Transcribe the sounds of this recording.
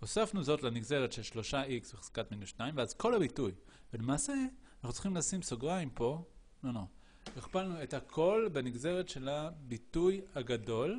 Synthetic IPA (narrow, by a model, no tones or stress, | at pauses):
osafnuzo̞tleniɡze̞ʁetʃe̞lʃlo̞ʃaiksveχe̥z̥katminuʃnaimveazko̞lhabituj | velemaːseanaχut͡sli̥χimlasimso̞ɡʁaimpo̞ | nono | iχpalnue̞thakʰo̞lbeniɡze̞ʁetʃe̞labitujhaɡado̞l